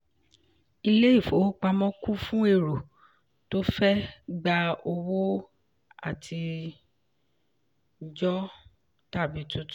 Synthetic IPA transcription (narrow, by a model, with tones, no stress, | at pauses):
i˧le˦i˦˨fo˨˦k͡pa˧mɔ̃˦ku˦fũ˦e˦˨ɾo˨ | to˦fɛ˦ɡ͡ba˧o˧wo˦ | a̰˦˨tʰi˧ | d͡ʒɔ˦ | ta˦˨bi˨˦tu˦t